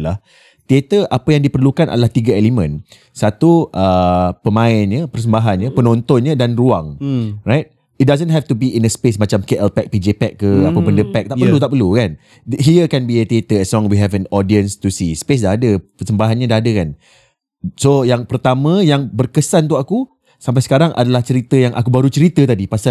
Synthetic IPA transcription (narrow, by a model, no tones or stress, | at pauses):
lah | t̪iet̪əʔapajaŋdipərlukanʔa̰dalaht̪iɡaɛlimə̃n | sat̪uʔəpəmãɪnɲəpərs̬əmbaɦanɲəpənɔ̃nt̪ɔnɲədanruaŋrajt̪̚ | it̚dazənɦɛft̪ubiʔinəspesmat͡ʃamkeʔɛlpɛk̚pid͡ʒepɛkːəapəbəndəpɛk̚t̪aʔərlut̪aʔpərlukan | ɦiəkɛ̃nbiət̪et̪əɛslɔ̃ŋwiɦɛvɛnɔdiənst̪usispes̬daɦadəpərsəmbaɦanɲadaɦadəkan | sojaŋpərt̪amə̃jaŋbərkəsant̪uaku | samp̬ajsə̥kaɾaŋʔa̰dalaht͡ʃəɾit̪əjaŋʔa̰kubaɾut͡ʃəɾit̪ət̪adipasa